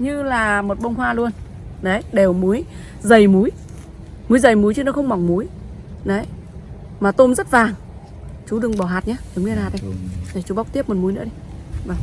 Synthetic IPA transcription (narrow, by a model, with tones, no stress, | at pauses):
ɲɨ˧laː˨˩mo˨˩t̚ɓə˧wŋ͡mhwaː˧lu˧ən | ɗə˨˦jɗe˨˩wmu˨˦j | zə˨˩jmu˨˦j | mu˨˦jzə˨˩jmu˨˦jt͡ɕɨ˧˦nɔ˧˨˦xə˧wŋ͡mma˨˩wŋ͡mmu˨˦j | ɗə˨˦j | maː˨˩t̪o˧mzə˦˥t̚vaː˨˩ŋ | t͡ɕu˨˦ɗɨ˨˩əŋɓɔ˧˩ɦaː˨˩t̚ɲaː˧ɗə˨˦wm˧nhaː˨˩t̚ɗi˧jtʰə˨˩jt͡ɕu˨˦ɓa˦wk͡p̚t̪i˦˥p̚mo˨˩t̚mu˨˦jnɨ̰˧˥ə˦i˧vaː˨˩ŋ͡m